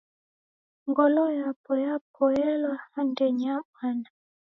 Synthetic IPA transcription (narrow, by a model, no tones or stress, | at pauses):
ŋɡɔlɔjapɔjapʰɔjɛlwaandɛɲakana